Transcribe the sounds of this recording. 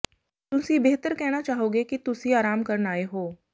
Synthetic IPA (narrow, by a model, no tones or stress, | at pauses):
t̪ʊsibeɦt̪əɾkɛɦnat͡ʃaːɦoːɡekit̪ʊsɦiaːɾaːmkɐɾnaːeɦoː